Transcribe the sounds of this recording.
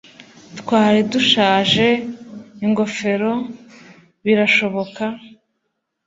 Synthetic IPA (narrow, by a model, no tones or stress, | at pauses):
tkwaːɾiduʃaːʒe̞iŋɡo̞fe̞ɾo̞ | βiɾaʃo̞βo̞ka